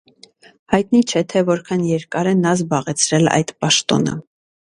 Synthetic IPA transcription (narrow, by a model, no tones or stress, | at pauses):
hɑjt̪nit͡ʃʰɛt̪ʰɛvɔɾkʰɑnjɛɾkɑɾɛnɑzbɑʁɛt͡sʰɾɛlɑ̰jd̪̥pɑʃt̪ɔ̰nə̰